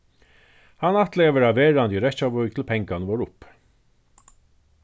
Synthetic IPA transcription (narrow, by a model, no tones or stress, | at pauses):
hɑnɑt̪leːʋəɹɑːʋeːɹɑnd̪iɾɛçɑːʋœɾɡt̪ʰɪl̩pʰɛŋɡɑnəʋoːɹʊp